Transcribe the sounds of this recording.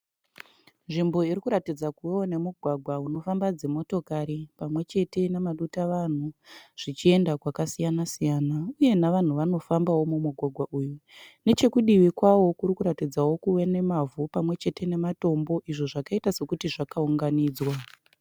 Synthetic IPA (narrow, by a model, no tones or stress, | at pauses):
nʐimbo̞irikuɾatid͡zakuweone̞muɡʱwaɡʱwauno̞fambad͡ze̞mo̞to̞kaɾipamwe̞t͡ʃe̞te̞namaɗutaʋan̤uʐ̥it͡ʃie̞ndakwakasijanasijaːnauje̞naʋan̤uʋano̞fambawo̞mumuɡʱwaɡʱwaʔuːjune̞t͡ʃe̞kuɗiʋikwawo̞kuɾikuɾatid͡zawo̞kuwe̞ne̞mavupamwe̞t͡ʃe̞te̞ne̞mato̞mbo̞ʔiʐoʐakaitase̞kutiʐakauŋɡaniːd͡zwa